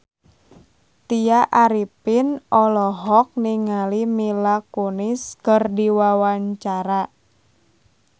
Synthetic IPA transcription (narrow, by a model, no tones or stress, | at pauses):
t̪ijaʔaɾipɪnɔlɔɦɔk̚niŋalimilakonɪskərdiwawaɲt͡ʃaɾa